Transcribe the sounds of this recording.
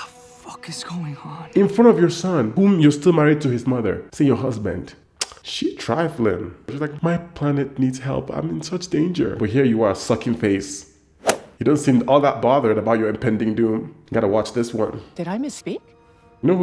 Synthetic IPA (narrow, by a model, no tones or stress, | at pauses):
ə | fʌkɨzɡ̥oʊɪ̃ŋhɑɨ̃nfɹʌ̃ntʌvjə˞sʌ̃nhũmjəstɪlˠmæɹid̚tʰɨɨzmʌðə̰˞sejə˞ɦʌzbɨ̰̃nd̥ | ʃi̥tʰɹ̥a̰ɪfl̩ɪ̰̃ŋʃizlaɪkmaɪpʰl̥ænɨt̚ⁿnidzhɛ̰lˠpã̰ɪ̃mɨ̃nsʌt͡ʃd̥ẽɪ̃nd͡ʒə̰˞b̥ʌt̚ɦiɹjɨə˞əsʌkɪ̃ŋfeɪs | jɨdõntsĩnɔlˠðət̚b̥ɑðə˞ɾəbaʊt͡ʃə˞ɨ̃mpʰɛ̃ndɪ̃ŋdũmɡɑɾəwɑt͡ʃðɪswʌ̰̃nd̥ɨɾaɪmɨspik | jnoʊ